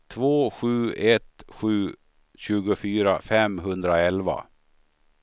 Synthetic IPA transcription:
t̪ʰvoːɧʉ̟ːɛt̪ɧʉ̟ː | ɕʉːɡʊfyːɾafɛmɦɵnd̪ɾaɛlva̰

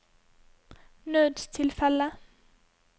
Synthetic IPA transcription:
nøːd̪t̪ʰɪlfɛlə

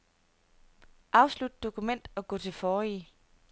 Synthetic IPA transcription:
ʔɑ̈ʊslud̥̚d̥o̝kʰumen̰d̥ɒ̽ɡ̥ɔ̰̽ːt͡sʰe̝lfɒːi

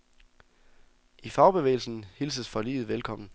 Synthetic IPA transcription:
ʔifɑ̈ʊb̥e̝ʋḛːɪl̩sn̩hilsəsfɒ̽lḭːð̩ˠʋelkʰɒ̽m̰n̩

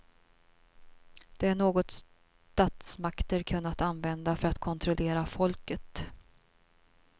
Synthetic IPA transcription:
d̪̥ɛæɳoːɡɔt̪s | t̪aːt̪smakt̪əɾkʰɵnːat̪anvɛnd̪afœɾat̪kʰɔnt̪ʰɾɔleːɾafɔlkət̪

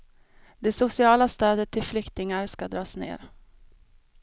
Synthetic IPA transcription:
d̪ɛsʊsɪɑːlast̪øːd̪ət̪ʰːɪlflʏkt̪ɪŋaɾskad̪ɾɑːsnḛːɾ

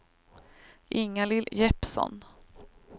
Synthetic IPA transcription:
ʔɪŋːalɪljɛpsɔ̰n

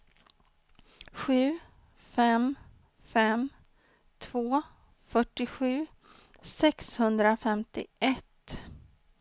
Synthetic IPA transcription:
ɧʉ̟ː | fɛm | fɛm | t̪ʰvoː | fœʈːɪɧʉ̟ː | sɛkshɵnd̪ɾafɛmt̪ɪ̰ʔɛt̪

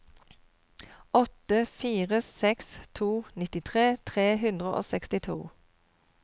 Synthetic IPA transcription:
ɔt̪əfiːʁəsɛkst̪ʰuːnɪt̪ɪt̪ʰʁeːt̪ʰʁeːɦʉnd̪ʁəʔo̰ːsɛkst̪ɪt̪ʰṵː

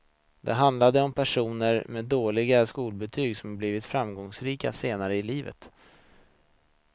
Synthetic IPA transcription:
d̪ɛ̰ɦand̪lad̪əɔmpʰæʂuːnəɾmeːd̪oːɭɪɡaskuːlbɛt̪ʰyːɡsɔmhabliːvɪt̪fɾamɡɔŋsɾiːka̰seːnaɾəɪliːvə̰t̪

